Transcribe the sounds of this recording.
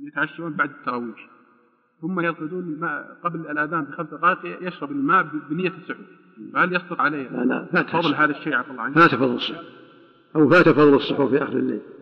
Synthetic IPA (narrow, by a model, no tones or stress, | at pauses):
jɪt̪ʕaʃːauːnbaʕd̪ɪt̪ːɑɾˤɑːwiːħ | hʊmːajɑlqɪd̪uːnɪlmaːʔqɑbllʔaðaːmbixamsaɣɑːq̪ɪjajɪʃɾɑbɪlmaːʔbbɪnɪjːasːʊħu | fahaljɑst̪ɑt̪ʕalejaana̰fat̪ɑðˤːlɦaːðaʃːeːʕɑt̪ˤɑlːʕanfat̪ɑfɑðˤːlsˤːʊu | ʔawfat̪ɑfɑðˤːɑlsˤːʊħufiʔaxɾəlːḛːl